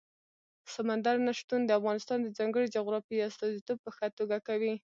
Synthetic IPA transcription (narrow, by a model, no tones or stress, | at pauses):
samand̪aɾnaʃt̪und̪əafɣɑnɪst̪ɑnd̪əd͡zɑŋɡəɽid͡ʒʊɣɾɑfiast̪ɑzit̪ob̚pəxət̪oɡakawi